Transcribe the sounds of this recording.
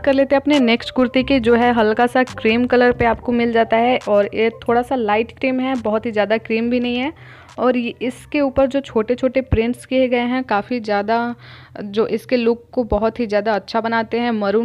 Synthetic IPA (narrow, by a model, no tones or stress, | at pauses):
kɐɾleːt̪ẽɦɛɐpneneːksʈkʊɾt̪iked͡ʒoːɦɛɦɐlkasakɾiːmkɐləɾpeaːpkomɪld͡ʒaːt̪aɦɛʔɔːɾjet̪ʰoːɽasalaːɪʈkɾiːmɦɛbɐɦʊt̪ɦizjaːd̪akɾiːmbʱinɐɦĩɦɛ̃ː | ɔːɾjɪskeuːpəɾd͡ʒoːt͡ʃʰoːʈet͡ʃʰoːʈepɾɪ̃ɳʈskieɡɐeɦɛ̃kaːfizjaːd̪a | d͡ʒoːʔɪskelʊːɡ̚kobɐɦʊt̪ɦizjaːd̪aɐtːʃʰabɐnaːt̪eɦɛ̃mɐɾu